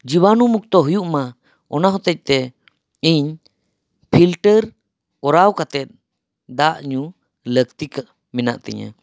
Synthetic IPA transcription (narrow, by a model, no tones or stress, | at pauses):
d͡ʒiwanumuk̚t̪ɔɦujuʔma | ɔnaɦɔt̪ɛc̚ˀt̪ɛ | iɲ | pʰilʈəɾ | kɔɾawkat̪ɛt̪̚ | d̪aʔɲu | ləkt̪ika | mina̰ʔt̪ɛ̰ɲa̰